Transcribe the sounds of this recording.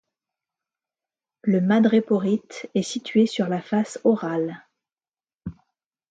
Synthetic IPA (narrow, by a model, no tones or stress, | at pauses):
ləmad̪ʁepɔʁit̪ɛsit̪ɥesyʁlafasɔʁal